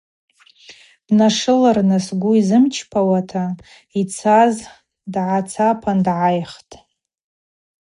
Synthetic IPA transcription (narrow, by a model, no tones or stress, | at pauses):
b̥naʂɨlarnɨsɡʷuizɨmt͡ʃʰpʰawatʰa | it͡sʰaz | dʕat͡sʰapʰandʕajχtʼ